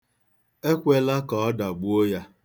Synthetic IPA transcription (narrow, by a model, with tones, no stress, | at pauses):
e˦kʷe˦la˦kɔ˨ɔ˦da˨ɡ͡bu˦o˦ja˦